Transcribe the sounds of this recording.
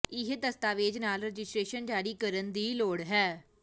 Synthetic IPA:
ɪɦd̪əst̪aːʋeːd͡ʒnaːlɾəd͡ʒɪsʈɾeːʃənd͡ʒaːɾiːkəɾənd̪iːloːɽɦɛː

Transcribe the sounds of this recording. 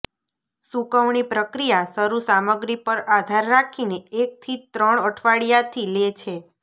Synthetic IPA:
sukəʋɳipɾəkɾijasəɾusaməɡɾipəɾad̪ʱaɾːakʰineek̚t̪ʰit̪ɾəɳəʈʰʋaɽijat̪ʰilet͡ʃʰe

